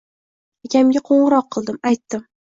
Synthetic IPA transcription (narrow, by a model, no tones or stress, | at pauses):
akʲʰamɡʲaqʰoɴɨɾɒqʰːɨlˠd̪ɪmajt̪ːɪm